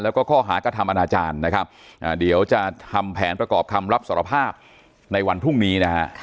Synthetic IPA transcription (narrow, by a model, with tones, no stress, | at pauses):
lɛː˦˥wkɔː˥˩kʰɔː˥˩ɦaː˩˦kɾa˧t̪ʰa˧mʔa˧naː˧t͡ɕaː˧nːa˦˥kʰa˦˥p̚ʔaː˨˩di˩˦əwt͡ɕa˨˩t̪ʰa˧mpʰɛː˩˦npɾa˧kɔː˨˩p̚kʰa˧mɾa˦˥p̚saː˨˩˦ɾa˧pʰaː˥˩p̚ | na˧jwa˧npʰɾu˥˩ŋniː˦˥na˦˥a˦˥ʔ